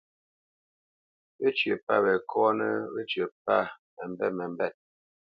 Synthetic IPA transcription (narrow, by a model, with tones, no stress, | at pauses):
be˦t͡ʃɥə˨pa˦bɛ˨kʰɔ˦nə˦be˦t͡ʃɥə˨pa˦ | mɛ˨m˦bɛ˦tmɛ˨m̩˦bɛ˦˨t̚